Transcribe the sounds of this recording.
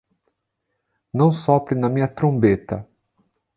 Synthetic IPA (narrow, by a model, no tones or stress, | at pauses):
nɐ̃w̃sɔpɾɪnɐmĩɲɐt̪ɾõbet̪ɐ